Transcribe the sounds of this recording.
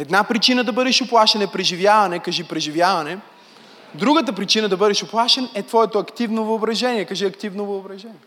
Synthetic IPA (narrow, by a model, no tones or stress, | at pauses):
ɛd̪napɾit͡ʃinəd̪ɐbɤd̪ɛʃʊplˠaʃɛnɛpɾɛʒivjavɐnɛkɐʒipɾɛʒivjavɐnɛ | d̪ɾuɡət̪̬əpɾit͡ʃinəd̪ɐbɤd̪ɛʃʊplˠaʃɛnɛt̪vɔɛt̪oɐkt̪ivnovəobɾɐʒɛniɛkɐʒiɐkt̪ivnovəobɾɐʒɛnʲiɛ